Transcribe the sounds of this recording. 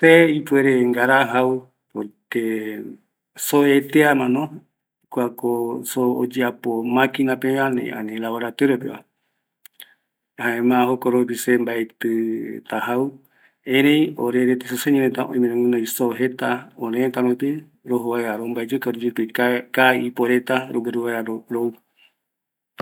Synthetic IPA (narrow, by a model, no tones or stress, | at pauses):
seipueɾeŋɡaɾaɦau | pot̪e | soet̪eamãnõ | kʷakoso̰ːd͡ʒeapomãkinãpeanḛa̰nẽlawaɾat̪eɾopeβa̰ | haẽmãɦokoɾopisembaet̪ɨt̪ahaw | ẽɾejoɾeɾet̪isoseɲẽɾet̪aʔõ̰ĩmẽnãŋũnãisoɦet̪aoɾẽt̪aɾõt̪e | ɾoɦoβaeaɾombaed͡ʒekaɾod͡ʒet̪ɨkakaipoɾet̪aɾoɡeɾuβaaɾoɾou